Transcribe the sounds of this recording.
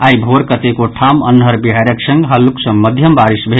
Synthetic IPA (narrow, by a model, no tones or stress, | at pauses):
ajbʱoɾkət̪ekoʈʰamə̰nɦəɾbiɦaɾəksə̃ŋɡɦəlːuksə̃mməd̪ʱjəmbaɾisbʱe